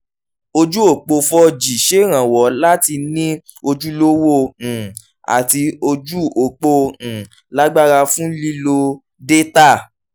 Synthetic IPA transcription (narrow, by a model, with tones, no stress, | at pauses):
o˧d͡ʒu˦o˨k͡po˧fɔ˧d͡ʒi˨ʃe˨˦ɾ̃ã˨wɔ˨˦la˦ti˧nĩ˦ | o˧d͡ʒu˦lo˦wõ˦˨ | a̰˨ti˧o˧d͡ʒu˦o˨k͡põ˧˨ | la˦ɡ͡ba˦˨ɾa˧fũ˦li˦lo˧ | de˦ta˦˨